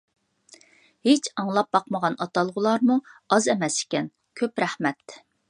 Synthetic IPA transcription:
het͡ʃʰɑŋlˠɑp̚bɑqməʁɑnɑt̪ɑlˠʁʊlˠɑɾmuɑzɛmɛsɪ̥kʲɛn | kʲʰøpɾæhmɛt̪

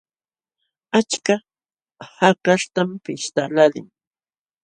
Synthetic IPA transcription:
at͡ʃka | hakaʂt̪ampɪʃt̪alalɪ̰ŋ

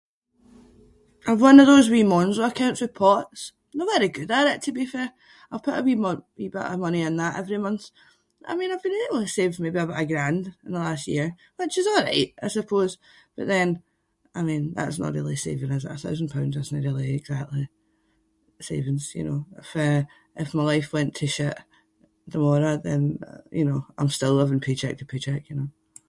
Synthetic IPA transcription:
ʔaɪvwʌ̃nəvðozwimɔ̃nzwəəkʰãʊ̃nʔswɪ̥pʰɔʔs | novɛɾəɡʉdaɪɹɪʔtʰəbifə | aɪv̥pʰʊʔəwimwibaʔəmʌniə̃nðəʔɛ̰vɹimʌ̃nθ | ʔa̰ɪmĩnaɪvbĩniilˠisevmebiaɪbaʔəɡɹãndɪ̃nðəlˠastjḭɹ | wɪt͡ʃɪzɔlˠɹa̰ɪʔaɪsəpʰoz̥ | b̥ʌʔðə̃n | aɪmĩnða̰ʔsnə̰ʔɹḭlˠisḛvɪ̃ŋəzə̰ʔəθaʊzn̩pʰãʊ̃ndzəsnəʔɹilˠiɪɡzak̚tlˠi | sḛvɪ̃ŋz̥jɨ̰no̰ɪ̰fə | ʔɪfmaɪlˠaɪfwɛ̃ntʰəʃɪʔ | ðəmɔɹəðə̃njʔɨ̰noã̰ɪ̃mstɪlˠːɪvɪ̃ŋpʰet͡ʃʰɛ̰k̚tʰəpʰet͡ʃʰɛkjɨno

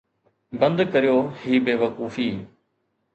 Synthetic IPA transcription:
bɐ̃nd̪kɐɾijoːhiːbeːʋɐkuːfiː

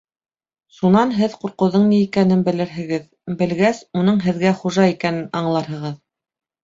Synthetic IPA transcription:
ʃunɑnɦɘðquɾqɤ̆wðɤɴniːkænɘnbɘ̆lɘ̆ɾɦɘ̆ɡɘð | bɘ̆lɡæsunɤɴɦɘ̆ðɡæχuʒɑikænɘnɑɴlˠɑɾɦɤ̆ʁɤð

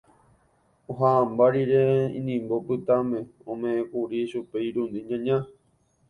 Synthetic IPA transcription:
oɦãːmbaɾiɾe̞ḭ̃nĩmbo̞pɨt̪amẽ̞õmẽʔẽkuɾiʃupeiɾũnd̪ĩɲãɲã

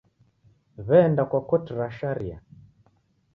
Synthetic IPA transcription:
βɛndakwakɔtiɾaʃaɾia̰

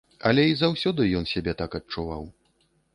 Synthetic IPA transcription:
ɐ̰lʲɛizawsʲɔd̪ɨjɔnsʲabʲɛt̪akɐt͡ʂuva̰w

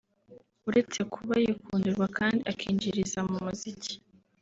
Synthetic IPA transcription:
uɾe̞t͡se̞kʰuβajekuːnduɾɡwakʰaːndiʔakʰiːɲɟiɾizamumuzici̥

